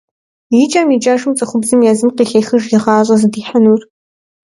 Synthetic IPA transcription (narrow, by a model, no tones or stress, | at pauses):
jit͡ʃʼamid͡ʒʼaʒumt͡sʼɐχʷʊbzɨmjaːzɨmqiːɬɐjxɨʒɡɪʁɑːɕʷʼɐzɨdiːħanuːr